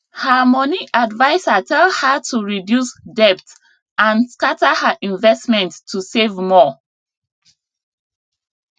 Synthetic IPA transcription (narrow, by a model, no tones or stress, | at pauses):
həmɔniʔadvaɪsatʰɛlhətʰuɹidjusdɛp̚t | ãnskatəhəʔĩnvɛstmɛ̃ntʰːusevmɔ